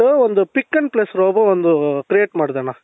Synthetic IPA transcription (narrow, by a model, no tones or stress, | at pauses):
uɔnd̪upikːɐnplesɾoːbɐond̪ukɾijeːʈmaːɽd̪ɐnaː